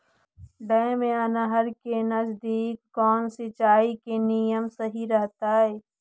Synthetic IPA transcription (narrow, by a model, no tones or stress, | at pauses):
ɖɛ̃ːmẽɐnəɦəɾkenɐzd̪iːkːɔːnsɪt͡ʃaːikenijəmsɐɦiɾəɦt̪aɦɛː